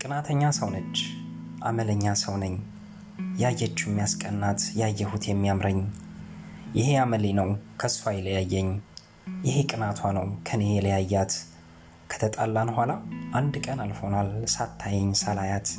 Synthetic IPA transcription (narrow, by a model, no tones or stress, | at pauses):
kʼɨnat̪ʰəɲːasəwnət͡ʃː | ʔamələɲːasəwnəɲː | jajːɛt͡ʃːumːijaskʼənːat̪jajːɛhut̪ʰjɛmːijamɾəɲː | jɪheaməlenəwkʰəsfajləjajːɛɲː | jɪhekʼɨnat̪ʰwanəwkʰənejɛləjajːat̪ | kʰə̥t̪ʰət̪ʼa̰lːanhʷalaʔand̪kʼənalfonalsat̪ʰːajɛɲːsəlajat̪